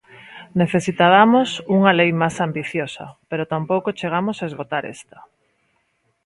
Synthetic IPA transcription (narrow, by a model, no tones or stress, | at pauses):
neθesit̪aβamosuŋɐlejmasambiθjosɐ̰peɾot̪ampowkot͡ʃeɣ̞amosaezɣot̪aɾḛst̪ɐ̥